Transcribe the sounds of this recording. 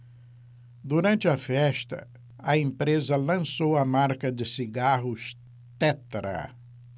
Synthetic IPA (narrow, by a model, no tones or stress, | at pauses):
d̪uɾɐ̃nt͡ʃɪɐfɛʃt̪ɐ̰ | ɐẽmpɾezɐlɐ̃sowɐmaɾkɐd͡ʒɪsiɡaɦʊʃ | t̪ɛt̪ɾɐ̰